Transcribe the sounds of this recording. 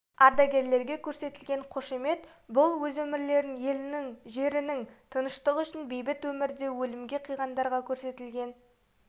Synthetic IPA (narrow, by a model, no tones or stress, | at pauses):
ɑɾd̪ɑɡʲe̞ɾle̞ɾɡʲe̞kʲʰɵɾse̞t̪ɪlɡʲe̞ɴqʰoʃeme̞t̪ | bʊlˠwɵzwɵmɪɾle̞ɾɪnje̞lɪnɪŋʒe̞ɾɪnɪŋt̪ʰənəʃt̪əʁəʏʃɪnbejbɪt̪wɵmɪɾd̪e̞wɵlɪmɡʲe̞qʰijʁɑnd̪ɑɾʁɑkʲʰɵɾse̞t̪ɪlɡʲe̞n